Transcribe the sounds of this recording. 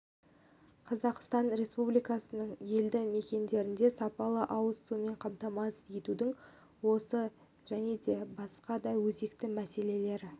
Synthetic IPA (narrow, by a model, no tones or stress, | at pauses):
qʰɑzɑqst̪ɑnɾe̞spublijkɑsənəɴje̞ld̪ɪme̞kʲe̞nd̪e̞ɾɪnd̪e̞sɑpɑlˠəʔɑwəst̪ume̞ɴqʰɑmt̪ɑmɑsje̞t̪ud̪ɪɴ | wo̞sə | ʒ̥æne̞d̪e̞bɑsqɑd̪ɑjwɵze̞kt̪ɪmæse̞le̞le̞ɾɪ